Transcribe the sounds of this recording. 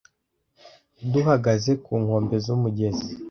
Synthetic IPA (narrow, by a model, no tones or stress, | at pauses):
duhaɡaze̞kuːŋho̞ːmbe̞zumuɟe̞zi